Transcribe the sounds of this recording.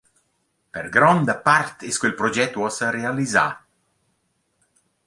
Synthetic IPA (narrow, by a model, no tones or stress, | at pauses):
peɾɡɾɔnd̪əpaɾt̪ɪskwelpɾod͡ʒɛt̪ːuɔsərealiza̰